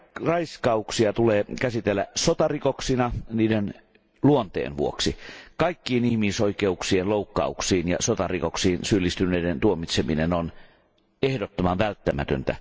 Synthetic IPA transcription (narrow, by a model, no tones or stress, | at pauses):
rɑiskɑuksiɑt̪uleːkæsit̪elːæsot̪ɑrikoksinɑniːden | luont̪ḛːnʋṵo̰ksikɑikːiːnihmisoikeuksienloˑukːɑ̰uksiːnjɑ̰sot̪ɑrikoksiːnsylːist̪ynˑeident̪uomit̪seminenon | ehdot̪ːomɑnʋælt̪ːæmæt̪ø̰nt̪æ̰